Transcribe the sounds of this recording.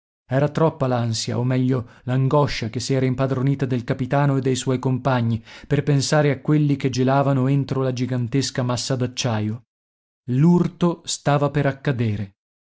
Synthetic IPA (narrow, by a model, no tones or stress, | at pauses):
ɛːɾat̪ɾɔpːalansja̰omːɛʎːolaŋɡɔʃːakesːiɛːɾaimpad̪ɾoniːt̪ad̪elkapit̪aːnoed̪ːejswɔjkompaɲːiperpensaːɾeakːwelːiked͡ʒelaːvanoent̪ɾolad͡ʒiɡant̪eskamasːad̪at͡ʃːaːjo | lurt̪ost̪aːvapeɾakːad̪eːɾe